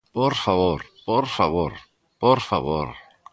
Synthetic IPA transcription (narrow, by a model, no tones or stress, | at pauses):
poɾfaβoɾpoɾfaβoɾ | poɾfaβo̰ɾ